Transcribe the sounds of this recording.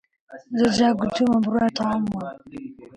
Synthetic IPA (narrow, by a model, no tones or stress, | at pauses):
zɔd͡ʒaɡutʰumambuɾataa